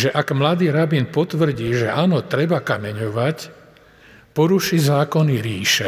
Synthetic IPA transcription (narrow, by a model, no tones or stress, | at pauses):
ʒɛʔaɡmlad̪iːɾabinpɔt̪ʋr̩ɟiːʒɛaːnɔt̪ɾɛbakamɛɲɔʋac | pɔɾuʃizaːkɔniɾiːʃɛ